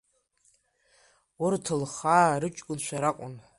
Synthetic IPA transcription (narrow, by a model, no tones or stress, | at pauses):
ʊrtʰɨlχaːɾɨt͡ʃʼkʷʼʊnʃʷʰaɾakʷʼʊn